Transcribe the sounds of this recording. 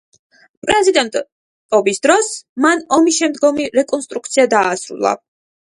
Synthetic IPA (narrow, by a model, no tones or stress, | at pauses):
pʼɾɛzid̪ɛnt̪ʼ | t̪ʼɔbisd̪ɾɔsmanɔmisʃɛmd̪ɡɔmiɾɛkʼɔnst̪ʼɾuk̚t̪sʰiad̪aːsɾṵlˠa̰